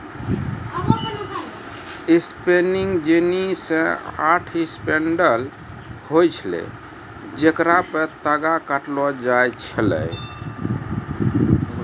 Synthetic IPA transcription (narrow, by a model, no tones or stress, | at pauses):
ispeniŋɡd͡ʒenisə̃a̰ʈʰispeɳɖəl | hojt͡ʃʰlḛ | d͡ʒekɾapət̪əɡakəʈlɔd͡ʒajt͡ʃʰələ̰j